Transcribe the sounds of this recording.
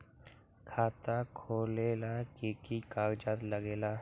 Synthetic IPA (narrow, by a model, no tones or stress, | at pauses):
kʰaːt̪akʰoːleːlakeːkikaːɡd͡ʒaːt̪ləɡeːlaː